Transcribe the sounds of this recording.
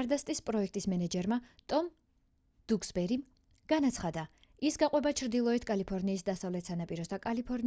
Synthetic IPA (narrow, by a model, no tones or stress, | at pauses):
ɾd̪ast̪ʼispʼɾɔɛk̚ʰt̪ʼismɛnɛd͡ʒɛɾmat̪ʼɔm | d̪̥uksbɛɾim | ɡ̥anat̪sʰχad̪a | isɡaqʼwɛbat͡ʃʰɾd̪ilˠɔɛt̪ʰkʼalipʰɔɾniːsd̪asavlɛt̪ʰsanapʼiɾɔsd̪akʼalipʰɔɾn